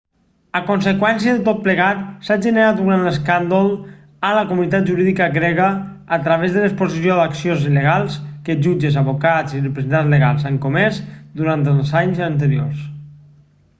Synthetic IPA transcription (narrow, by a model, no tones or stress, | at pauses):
əkunsəkwɛnsiəðət̪ot̪̚pləɣat̪saʒənəɾat̪̚uɾanləskand̪olˠ | ələkumunit̪at̪̚d͡ʒuɾiðikəɣɾɛɣəː | t̪ɾəβezðələspozisioðəksijonziləɣalˠskəʒud͡ʒəzəβokat͡sirəpɾəzent̪anzləɣalˠzaŋkumɛsd̪uɾant̪əlˠzaɲzənt̪̬əɾiors